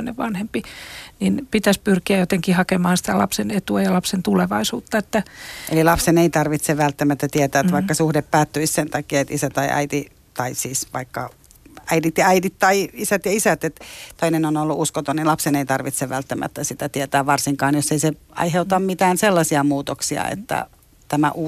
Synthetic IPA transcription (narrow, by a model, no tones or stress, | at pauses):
neʋɑnhempininpit̪æspyrkiæjot̪eŋkihɑkemɑhːnsi̥t̪ælɑpsenet̪uæjɑlɑpsent̪uleʋɑisuːt̪ːɑet̪ːæʔḛlilɑpseneit̪ɑrʋit̪seʋælt̪ːæmæt̪ːæt̪iɛt̪æːt̪ʋɑikːɑsuhdeppæːt̪ːyissent̪ɑkiːɑet̪isæt̪ɑiʔæ̰it̪i | t̪ɑisiːsʋɑ̰ikːɑ̰ | æidit̪jɑæitit̪t̪ɑiisæt̪jɑisæt̪et̪tt̪oinenonolːuʔuskot̪onilɑpseneit̪ɑrʋit̪seʋʋælt̪ːæmæ̰t̪ːæsit̪æt̪iet̪æːʋʋɑrsiŋkɑːnjoseiseɑ̰iheut̪ɑmmit̪æːnselːɑsiɑmuːt̪oksiɑ̰ḛt̪ːæ̰ | t̪æmæ̰ʔuː